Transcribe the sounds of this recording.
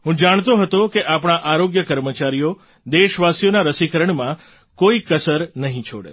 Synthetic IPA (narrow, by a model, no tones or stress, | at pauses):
ɦũd͡ʒaɳ̃t̪oɦət̪õkeʔapɳ̃aʔaɾoɡjəkəɾmət͡ʃaɾijo | d̪eʃʋasjonaɾəsikəɾəɳmã | koikəsəɾnəɦĩt͡ʃʰo̰ɽḛ